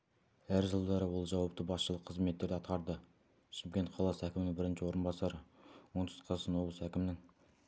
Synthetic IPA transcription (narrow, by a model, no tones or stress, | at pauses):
æɾʒəlˠd̪ɑɾəwolˠʒɑwɑp̚t̪əbɑsʃəlˠəqʰːəzme̞t̪ːe̞ɾd̪ɪɑt̪qɑɾd̪ə | ʃɪmkʲe̞nt̪̚qʰɑlˠɑsəækʲɪmɪnɪŋbɪɾɪnʃɪwo̞ɾənbɑsɑɾəwont̪ʰst̪qʰɑzsɑnwo̞blˠəsəækʲɪmɪnɪŋ